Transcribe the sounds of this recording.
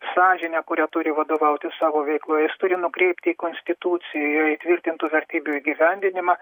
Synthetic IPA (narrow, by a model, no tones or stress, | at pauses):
sɑːʒʲɪnʲɛkʊɾʲæːt̪ʊɾʲɪʋɐd̪oːʋɐʊt̪ʲɪssɑːʋoːʋʲɛɪklˠoːjɛjɪst̪ʊɾʲɪnʊkɾʲɛɪpʲt̪ʲɪiːkoːnʲsʲt̪ʲɪt̪uːt̪sʲɪjjoːit̪ʲʋʲɪrʲt̪ʲɪnt̪uːʋʲɛrʲt̪ʲiːbʲuiːɡʲiʋʲɛnʲd̪ʲɪnʲɪmɑ